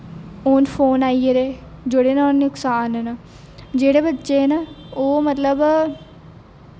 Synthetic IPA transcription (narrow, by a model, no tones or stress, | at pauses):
oːnpʰoːnaːieɾeːd͡ʒʊɽeːnaːneʊksaːnɦənə | d͡ʒeːɽeːbətːʃenəoːmət̪ləb